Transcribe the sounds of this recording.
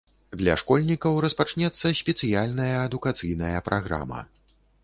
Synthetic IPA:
d̪lʲɐ̰ʂkɔlʲnʲikɐwɾɐspat͡ʂnʲɛt̪sːɐsʲpʲɛt̪sɨjalʲnɐjɐːd̪ukat̪sɨjnɐjɐpɾʔaɣɾa̰mɐ̰

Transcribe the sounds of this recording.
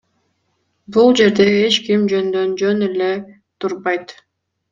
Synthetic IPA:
bulˠd͡ʒe̞ɾd̪e̞e̞t͡ʃkimd͡ʒønd̪ø̞nd͡ʒønele̞ | t̪ʰuɾβɑjt̪

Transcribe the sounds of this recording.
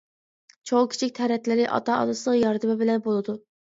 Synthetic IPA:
t͡ʃʰowkʲʰi̥t͡ʃʰikʲt̪ʰɛɾɛt̪lɪɾɪʔɑ̰t̪ʰɑɑ̰d̪ɨsɨlˠəqjɑɾd̪ɨmɪbɪlɛnbolˠɨd̪u

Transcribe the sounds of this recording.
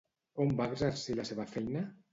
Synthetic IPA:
ombaɣzaɾsilaseβafɛjna

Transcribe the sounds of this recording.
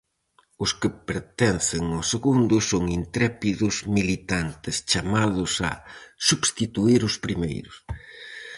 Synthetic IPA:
ʊskɪpeɾt̪ɛnθɪŋʊseɣund̪ʊsoŋint̪ɾɛpiðʊzmilit̪ant̪ɪst͡ʃamaðʊsa̰subst̪it̪uiɾʊspɾimḛjɾʊs

